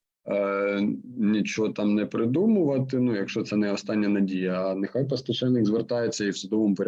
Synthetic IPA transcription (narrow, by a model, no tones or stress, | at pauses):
nʲit͡ʃɔɦɔt̪ɑmnɛpɾɪd̪umʊʋɐt̪ɪnujɐkʃɔt̪sɛnɛɔst̪ɑnʲːɐnɐdʲijɐːnɪxɑjpɐst̪ɐt͡ʃɛlʲnɪɡzʋert̪ɑjet͡sʲːɐiwsʊd̪ɔʋɔmʊpɔɾʲ